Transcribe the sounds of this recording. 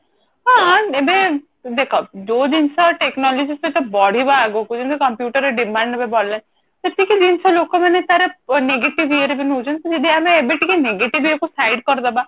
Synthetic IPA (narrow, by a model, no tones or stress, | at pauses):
ɦãebe | d̪ekʰɔd͡ʒod͡ʒinsɔʈeknɔlɔd͡ʒiset̪ɔbɔɽ̤ibaːɡokud͡ʒinsʰɔkɔmpjuʈɔɾeɖimaɳɖebebɔɽlen | t̪eʈikid͡ʒinsʰɔlokɔmanet̪aɾeneɡeʈibʱieɾebinud͡ʒɔnt̪ɔd͡ʒed̪iameːbeʈikineɡeʈibʱiekusajɖkɔɾɔd̪aba